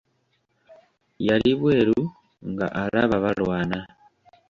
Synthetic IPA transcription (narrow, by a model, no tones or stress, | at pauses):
jaliβweːɾu | ŋɡa̰ʔalaβaβalwaːna